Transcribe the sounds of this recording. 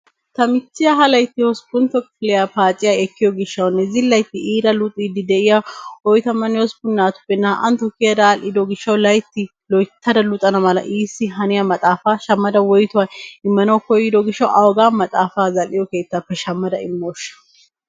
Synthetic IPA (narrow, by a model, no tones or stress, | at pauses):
t̪ɐmɪt͡ʃːɪjɐɦɐlɐjt̪ːɪhɔsɡʊnt̪ɔkfɪlɛjapaːt͡ʃʼɪjaɛkːɪjɔɡɪʃːɐwnːɛzɪlːɐjt̪ːɪiːɾɐlʊt̪ʼiːd̪ɪd̪ɛʔɪjawɔjt̪ɐmɐnɪjɔsbʊnːaːt̪ʊ̥pːɛnːɐʔɐ̰nt̪ɔkːɪjɐd̪aːlɪd̪ɔɡɪʃːɐwlɐjt̪ːɪ | lɔjt̪ʰːɐd̪ɐlʊt̪ʼɐnɐmɐlɐ̰ʔiːsːɪɦɐnɪjɐmɐt̪ʼaːfaːʃɐmːɐd̪ɐwɔjt̪ʊwaɪmːɐnɐwkɔjːɪd̪ɔɡɪʃːɐwʔɐwɔɡaːmɐt̪ʼaːfaːzɐlɪjɔke̞ːt̪ːapːɛʃɐmːɐd̪ɐɪmːoːʃːɐ̥